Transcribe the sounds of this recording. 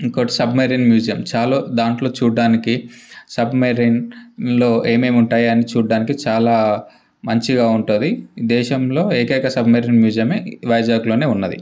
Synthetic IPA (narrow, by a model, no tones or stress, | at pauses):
iŋkoʈi̥sɐbmɐɾiːnmjuːd͡ʒijɐmt͡ʃaːloːd̪aːɳʈlo̞ːt͡ʃuːaːnikisɐbmɐɾiːnlo̞ːʔe̞ːmeːmuɳʈaːjɐnit͡ʃuːɽaːnikit͡ʃaːlaː | mɐɲt͡ʃiɡaːuɳʈund̪id̪ɛːʃɐmlo̞ːeːkɛːkɐsɐbmɐɾiːnmjuːd͡ʒijɐmeːʋɐjd͡ʒaːɡulo̞ːne̞ːunːɐd̪ḭ